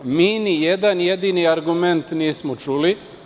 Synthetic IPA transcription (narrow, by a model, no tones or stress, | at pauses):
miːnijed̪anje̞d̪iːniaɾɡument̪niːsmot͡ʃuːli